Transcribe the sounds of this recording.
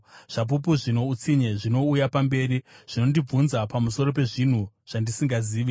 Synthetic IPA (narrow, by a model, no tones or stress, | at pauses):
ʐ̥ap̬up̬uʐino̞ut͡siɲeʐino̞ujapambe̞ːɾiʐ̥ino̞ndib͡vunzapamuso̞ɾo̞p̬e̞ʐin̤u | ʐ̥andisiŋɡaziːʋi